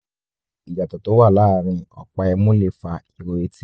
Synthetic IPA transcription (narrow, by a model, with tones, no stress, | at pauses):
i˨ja˨tɔ˨to˨˦wa˦˨la˦˨ɾ̃ĩ˧ɔ̰˧k͡pa˧ɛ˧mũ˦le˦˨fa˧i˨ɾo˧˨e˧ti˦